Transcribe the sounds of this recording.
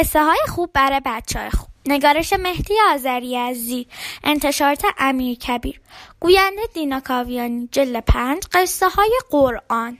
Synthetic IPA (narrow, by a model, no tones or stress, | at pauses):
esːeɦɒːjexuːbːæɾebæt̪t͡ʃʰɒːjexub̥ne̞ɡɒːɾeʃeme̞hd̪ijeɒːzæɾijæziʔe̞nt̪ʰe̞ʃɒːɾt̪ʰeʔæmiːɾcʰæbiːɾɡ̥uːjænd̪ed̪iːnɒkʰɒvijɒːnid͡ʒeld̪epʰænd͡ʒɢe̞sːehɒːjeɢoɾʔɒn